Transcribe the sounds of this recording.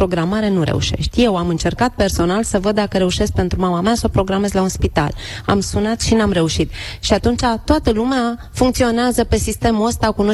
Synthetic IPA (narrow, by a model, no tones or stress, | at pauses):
ɾo̞ɡɾamaɾe̞nuɾe̞̰ṵʃe̞̰ʃt̪ʲje̞wamɨnt͡ʃe̞rkat̪̚pe̞rso̞nalsəvəd̪d̪akəɾe̞uʃe̞sk̚pe̞nt̪ɾumamameasopɾo̞ɡɾame̞zlaunspit̪a̰la̰msunat̪ʃinamre̞uʃit̪ʃiat̪unt͡ʃat̪oat̪əlumea | fuŋkt̪sio̞neazəpe̞sist̪e̞muəst̪akuno